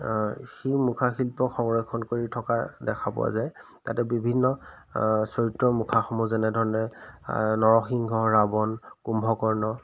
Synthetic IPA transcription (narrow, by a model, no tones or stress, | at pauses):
ximukʰaxilpɔxɔŋɹɔjkʰɔnkoɹitʰɔka̰dɛkʰabɔ̰a̰zaj | tatɛbibʱinːɔ | sɔɹitːɔmukʰaxɔmuzɛnɛdʱɔɹɔnɛ | nɔɹɔxiŋɡʱɔɹabɔnkumbʱɔkɔɹnɔ